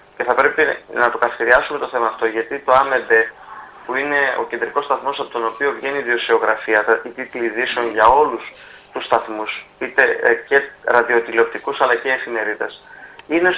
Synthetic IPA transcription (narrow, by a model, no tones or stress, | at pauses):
ce̞θɐpɾe̞pinɐt̪o̞kɐθi̥çeɾiɐsume̞t̪oθe̞mɐːft̪o̞ʝɐt̪it̪o̞ɐme̞be̞puine̞o̞̰ce̞nd̪ɾiko̞st̪ɐθmo̞sɐpo̞t̪o̞no̞pio̞vʝe̞niːðiosio̞ɣɾɐfiɐt̪it̪it̪liðiseo̞nʝɐo̞lus | t̪ust̪ɐθmusit̪e̞ce̞ɾɐðio̞t̪ilop̚t̪ikusɐlɐceːfime̞ɾiðɐ̰sine̞